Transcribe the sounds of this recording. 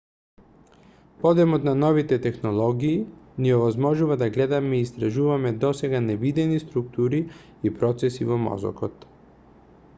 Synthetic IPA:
pɔd̪ɛmɔt̪nanɔvit̪ɛt̪ɛxnɔlˠɔɡiːniɔvazmɔʒuvad̪aɡlɛd̪amɛiːst̪ɾaʒuvamɛd̪ɔsɛɡanɛvid̪ɛnist̪ɾuk̚t̪uɾi | ipɾɔt̪sɛsivɔmɔ̰zɔ̰kɔt̪

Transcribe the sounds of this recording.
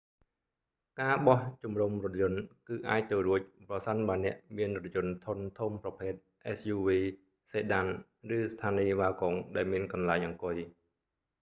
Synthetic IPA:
kaːɓɑht͡ɕumrumrʊ̆t̪̚jʊ̆ənkɨːʔaːc̚t̪əwruəc̚prɑsənɓaːnɛ̆əʔmiənrɔt̪̚jʊ̆ənt̪ʰunt̪ʰuːmprɑpʰeːt̪̚ʔɛsjuːʋiː | seːɗan | rɨːst̪ʰaːniːʋaːkoŋɗaɛlmiənkɑnlaɛŋʔɑŋkʊj

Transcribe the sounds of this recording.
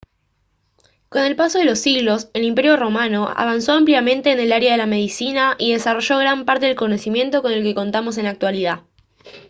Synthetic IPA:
ko̞ne̞lpaso̞ðelo̞sːiɣlo̞selimpe̞ɾjo̞ro̞mano̞a̰β̞anso̞ampljamẽ̞nt̪e̞ːne̞laɾjaðe̞lame̞ðisinaʔiðe̞saro̞ʒo̞ɣ̞ɾampaɾt̪e̞ðe̞lko̞nosimje̞nt̪o̞kone̞lke̞ko̞nt̪amo̞s̬e̞nak̚t̪waliða

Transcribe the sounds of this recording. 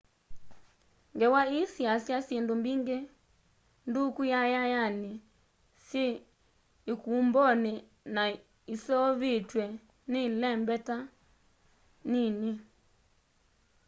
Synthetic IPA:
ŋɡɛwaisjasjasjendombiŋɡe | ndukujajajane | sjeː | kumbɔne | na | isɔβetwɛ | nelɛmbɛta | nini

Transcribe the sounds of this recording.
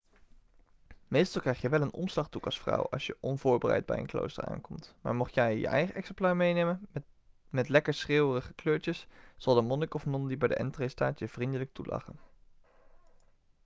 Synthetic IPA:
mejstɑlˠkrɛjχjəʋɛlənʔɔ̰mslɑχdukɑsfrɑ̰wɑ̰lˠsjəʔɔnvʊːɹbərɛ̰jd̚bɛ̰jə̰nklo̰wstə̰ɹa̰ːnkɔmtma̰ːɹmɔχtjɛjjə̰ʔɛjχəʔɛksɛmplaːɹmejnejmən | mɛtlɛkəɹsreːwərəχəkløːɹt͡ʃəsz̥ɑlˠdəmɔnəkɔfnɔndibɛjdəʔɛntrejstaːtjəv̥rindələk̚tulʔɑ̰χən

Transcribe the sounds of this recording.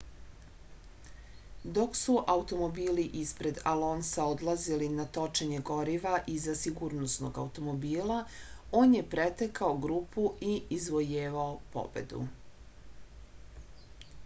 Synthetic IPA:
d̪o̞ksuʔaut̪o̞mo̞biːliʔispɾe̞d̪alo̞nsaod̪lˠazilinat̪o̞t͡ʃeɲe̞ɡo̞ɾiʋaʔizasiɡuːɾnosno̞̰ɡa̰ut̪o̞mo̞biːlao̞ːnje̞pɾet̪ekaoɡɾuːpuiizʋo̞jeːʋaopo̞̰be̞̰d̪ṵ

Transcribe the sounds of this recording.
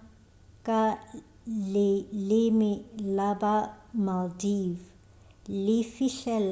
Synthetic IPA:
kʼa | lɪlɪmɪlabamaldiv | lɪfiʃɛl

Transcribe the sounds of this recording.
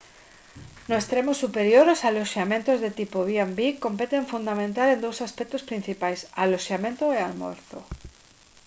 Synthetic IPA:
noest̪ɾemosːupeɾjoɾosalosjamẽnt̪ozðet̪ipoβiambiko̞mpet̪eɱfund̪amẽnt̪alend̪owsaspek̚t̪ospɾin̟θipajsalosjamẽnt̪oealmo̰ɾθo̰

